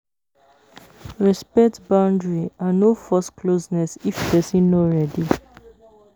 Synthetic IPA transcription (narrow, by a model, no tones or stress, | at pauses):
ɹɛspɛk̚tbãʊ̃ndɹianofɔskʰlosnɛsifpɛsĩnːoɹɛdi